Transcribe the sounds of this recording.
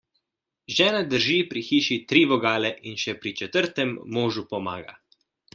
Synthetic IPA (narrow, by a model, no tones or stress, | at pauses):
ʒɛːnad̪əɾʒiːpɾixiːʃit̪ɾiːʋɔɡaːlɛʔinʃɛpɾit͡ʃɛt̪əɾt̪ɛmːoːʒupɔmaːɡa̰